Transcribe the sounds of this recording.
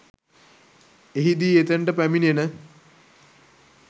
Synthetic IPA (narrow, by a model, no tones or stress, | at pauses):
eɦid̪iːet̪eɳʈəpæminienə